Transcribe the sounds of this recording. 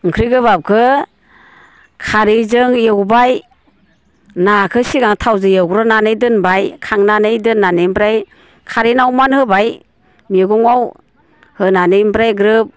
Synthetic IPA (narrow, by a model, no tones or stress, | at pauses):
ɯŋkʰɾijɡɯbap̚kʰɯ | kʰaɾizɯŋjɯwbaj | nakʰɯsiɡaŋtʰawzɯjɯwɾɔnanɯjdɯnbajkʰaŋnanɯjdɯnːanɯjmbɾaj | kʰaɾinawmanhɯbaj | miɡuŋaw | hɯnanɯjmbɾajɡɾɯp̚